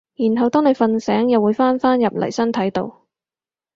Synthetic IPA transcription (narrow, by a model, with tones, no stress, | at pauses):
jiː˨˩nɦɐ˨wt̪ɔː˥ŋne˨˧jfɐ˧nsɛː˨˥ŋjɐ˨wuː˨˧˥jfaː˥nfaː˥njɐ˨p̚lɐ̰˨˩jsɐ˥nt̪ʰɐ˨˥jt̪o̰˨˧w